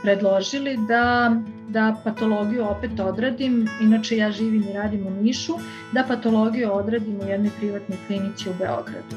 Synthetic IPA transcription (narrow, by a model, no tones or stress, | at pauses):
pɾed̪lˠoʒilid̪a | d̪apat̪o̞lˠo̞ɡijuopet̪o̞d̪ɾad̪iminat͡ʃe̞jaːʒiːʋimiɾaːd̪imuniʃu | d̪apat̪o̞lˠo̞ɡijuo̞d̪ɾad̪imujɛd̪nojpɾiʋat̪nojplinit̪siube̞o̞̰ɡɾa̰d̪u